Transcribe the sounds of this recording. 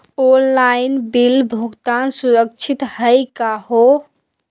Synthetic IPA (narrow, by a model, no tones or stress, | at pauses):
onlainbilbʱuɡt̪ansuɾəkt͡ʃʰit̪həjkaɦo